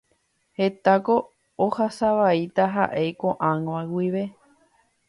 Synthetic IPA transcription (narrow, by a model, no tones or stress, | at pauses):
he̞t̪ako̞ː | hasaʋait̪aɦa̰ʔe̞jkoʔãŋwawiʋe̞